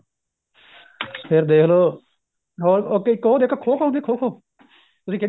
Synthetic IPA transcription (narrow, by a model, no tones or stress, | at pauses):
pʰɪɾd̪eːkʰloː | ɦoːɾoːkeːɪkːoːd̪eːkːkʰoːkʰoːʊ̃nd̪iːkʰoːkʰoː | t̪ʊsĩːkɪ